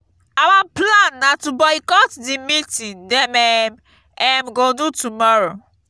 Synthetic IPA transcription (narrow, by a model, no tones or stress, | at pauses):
awaplãnːatubɔikɔtdimitĩndɛmɛm | ɛmɡodutumɔɹo